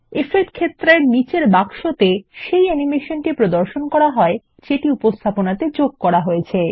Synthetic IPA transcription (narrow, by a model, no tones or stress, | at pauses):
efeʈkʰet̪ːɾeɾnit͡ɕeɾbakʃot̪eʃejɛnimeʃonʈipɾod̪oɾʃonkɔɾaɦɔe | t͡ɕeʈiupost̪ʰaponat̪ed͡ʑoɡ̚kɔɾaɦojet͡ɕʰe